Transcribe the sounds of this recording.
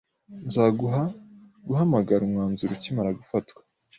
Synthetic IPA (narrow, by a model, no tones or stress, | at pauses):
nzaɡua | ɡuhamaɡaɾumŋaːnzuɾucimaɾaɡufatkwḁ